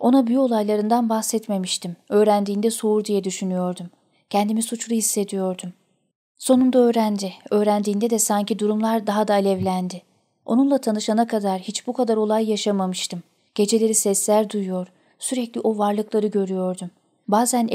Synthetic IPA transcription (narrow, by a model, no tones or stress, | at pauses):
o̞nabyjyo̞lˠajlˠaɾɯnd̪anbaxsɛt̪me̞miʃt̪ʰimø̞ːɾænd̪iːnd̪ɛso̞uɾd̪ijɛd̪yʃynyjo̞ɾd̪um | cʰɛnd̪imisut͡ʃlˠuhisːe̞d̪ijo̞ɾd̪um | so̞nund̪aø̞ːɾænd̪ɪø̞ːɾænd̪iːnd̪ɛd̪ɛsaɲcid̪uɾumlˠaɾd̪aɦad̪aːlʲɛvlʲænd̪ɪ | ʔo̞̰nunlˠat̪ʰanɯʃanakʰad̪aɾhit͡ʃbukʰad̪aɾo̞lˠajːaʃamamɯʃt̪ʰɯm | ɟ̥e̞d͡ʒe̞lʲe̞ɾisɛslʲæɾd̪ujujo̞ɾ | syɾɛclʲiʔo̞vaɾlˠɯklˠaɾɯɟø̞ɾyjo̞ɾd̪um | baːzæn